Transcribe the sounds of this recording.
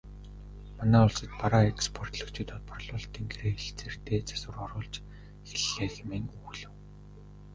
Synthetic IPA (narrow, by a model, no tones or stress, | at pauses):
manæːʊɮsə̆t̪̚paɾaːekspʰɔr̥t̪ɮɞ̆kt͡ɕʰiːt̪ɔt̪̚pʰɔrɮʊːɮt̪ʰiːŋɡeɾeːxeɬt͡ser̥t̪eːt͡sḁsə̆rɔɾʊːɮt͡ɕ | xeɮːeːxemeːŋuːɮɘ̆w